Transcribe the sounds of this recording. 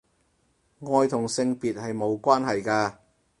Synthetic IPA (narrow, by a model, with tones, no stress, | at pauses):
ŋɔː˧jt̪ʰʊ˨˩ŋsɪ˧ŋpiː˨t̚hɐ˨jmo˨˧wkʷaː˥nɦɐ˨jkaː˧